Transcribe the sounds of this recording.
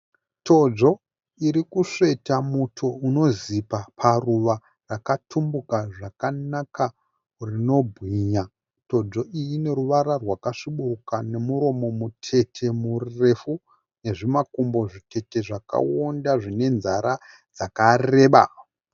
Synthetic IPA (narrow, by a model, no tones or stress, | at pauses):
to̞d͡zo̞ | iɾikuʂe̞tamutʰo̞uno̞zipapʰaruʋa | rakatʰumbukaʐakanaka | rino̞bʱɣiɲa | to̞d͡zo̞ijine̞ɾuʋaɾarwakaʂiɓuukane̞muɾo̞mo̞mutʰe̞tʰe̞murre̞fu | ne̞ʐimakumbo̞ʐitʰe̞te̞ʐaka̰wondaʐine̞nzaɾa | d͡zakare̞ːɓa̰